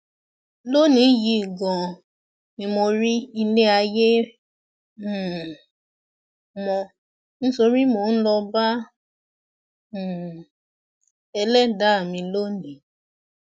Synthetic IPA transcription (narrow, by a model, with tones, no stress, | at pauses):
lo˦nĩ˨˦ji˧˨ɡɔ̃˨ | mĩ˧mo˧ɾi˦i˧le˦a˧je˦˨ | mɔ̃˧ | ñ̩˦so˧ɾi˦mo˧˦n̩˦lɔ˧ba˦˨ | ɛ˧lɛ˦da˨˦a˦˨mĩ˧lo˦nĩ˨